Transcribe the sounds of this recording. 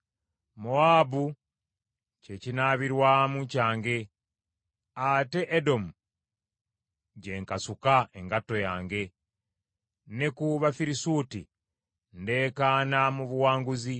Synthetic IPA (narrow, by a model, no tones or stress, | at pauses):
moaːbu | ce̞cinaːβiɾwamucaːŋɡe̞ | ate̞ʔːdo̞mu | ɟe̞ŋkasukae̞ŋɡatːo̞jaːŋɡe̞ | ne̞kuβafiɾisuːtḭ | nde̞ːkaːnamuβuwaːŋɡuzi